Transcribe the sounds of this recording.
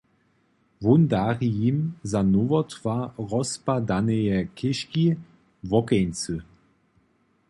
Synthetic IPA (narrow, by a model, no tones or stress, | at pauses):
vund̪aʁijimzanovɔt̪v̥aʁɔspad̪anɛjɛkʰɪʃki | vɔkɛjnt͡sɨ